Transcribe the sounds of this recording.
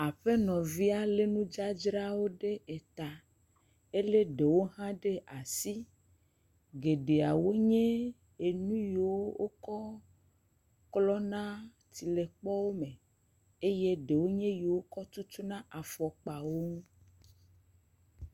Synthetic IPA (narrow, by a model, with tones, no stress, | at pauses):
a˨ɸe˦nɔ̃˨vi˦a˦le˦nũ˦d͡ʒa˦d͡ʒɾa˦wo˦ɖe˦e˨t̪a˨ | e˦le˦ɖe˨wo˦ɦã˦ɖe˦ʔa˨si˦ | ɡe˨ɖe˨a˨wo˦ɲẽ˦ | e˨nũ˦ji˨wo˦wo˦kɔ˦ | klɔ˦nã˦ | t̪i˨le˨k͡pɔ˦wo˦me˨ | e˦je˦ɖe˨wo˦ɲẽ˦ji˨wo˦kɔ˦t̪u˦t̪u˦nã˦a˨fɔ˨k͡pa˨wo˦ŋũ˦